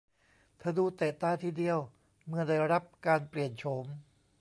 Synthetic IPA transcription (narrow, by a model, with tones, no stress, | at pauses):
t̪ʰaː˧˩duː˧t̪ɛː˨˩t̪aː˧˥˩t̪ʰiː˥˩di˧əw | mɯ˥˩ɐda˧˩jɾa˦˥p̚kaː˧npli˨˩ənt͡ɕʰo˦m